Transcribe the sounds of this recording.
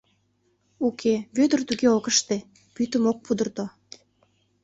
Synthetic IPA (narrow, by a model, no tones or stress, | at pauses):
ukʰeβød̪ərt̪uɣeokəʃt̪e | pyt̪əmok̚pud̪ərt̪o